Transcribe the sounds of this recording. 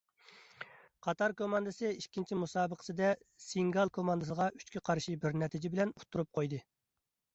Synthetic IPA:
qʰɑt̪ʰɑɾkʰomɑnd̪ɨsɨikʲʰːint͡ʃʰimusɑːbəqʰə̥sɨd̪ɛ | siŋɡɑlˠkʰomɑnd̪ɨsəʁɑʔy̥t͡ʃkʲʰiqʰɑɾʃibɪɾnɛt̪ʰɪd͡ʒɪbɪlɛnut̪ʰːuɾup̚qʰojd̪ɨ

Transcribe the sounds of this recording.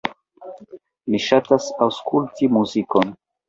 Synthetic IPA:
miʃatasawskultimuzikon

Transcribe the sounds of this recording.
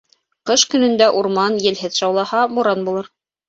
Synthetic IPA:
qɤʃkɵ̆nɵ̆nd̪æʔuɾmɑnjɘ̆lɦɘðʃɑwlˠɑhɑmuɾɑnbulˠɤɾ

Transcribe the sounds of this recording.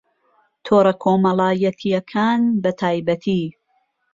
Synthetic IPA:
t̪ʰoːɾɐkʰoːmɐlaːjɐt̪ʰijɐkʰaːnbɐt̪ʰaːjbɐt̪ʰiː

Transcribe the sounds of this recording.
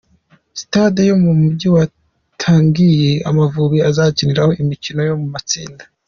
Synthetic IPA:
si̥tadejo̞mumubɟiwa | tʰaːŋɡije̞a̰mavuβiazaːciniɾaho̞ʔimicino̞jo̞mumat͡sḭːnda

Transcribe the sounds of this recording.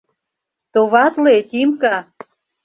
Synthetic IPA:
t̪oβɑt̪let̪imkɑ

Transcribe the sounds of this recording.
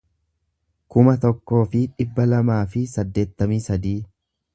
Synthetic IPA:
kʊmɐt̪ɔkːo̞ːfɪᶑɪbːɐlɐmaːfɪsɐd̪ːe̞ːt̪ːɐmiːsɐd̪iː

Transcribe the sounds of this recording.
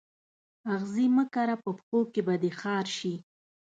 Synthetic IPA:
aɣziməkaɾapəpxokebad̪exɑɾʃi

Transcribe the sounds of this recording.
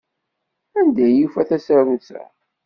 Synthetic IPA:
ænd̪æjːufæθæsəɾvənt͡sæ̰

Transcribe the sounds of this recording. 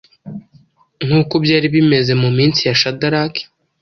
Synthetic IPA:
n̥uːkobjaːɾiβime̞ze̞mumiːnt͡sijaʃadaɾake̥

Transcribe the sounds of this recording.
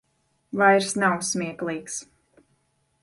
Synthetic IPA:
vajɾsnawsmʲiɛklˠiːks

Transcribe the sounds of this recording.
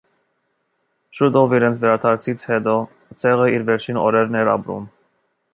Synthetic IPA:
ʃut̪ɔviɾɛnt͡sʰvɛɾɑt̪ʰɑɾt͡sʰit͡sʰhɛt̪ɔ | t͡sʰɛʁəiɾvɛɾt͡ʃʰinɔ̰ɾɛɾnɛɾɑ̰pɾṵm

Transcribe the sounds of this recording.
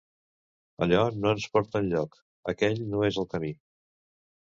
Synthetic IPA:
ə̰ʎɔnoənspɔɾt̪ənʎɔk | əkɛʎnoezəlˠkəmi

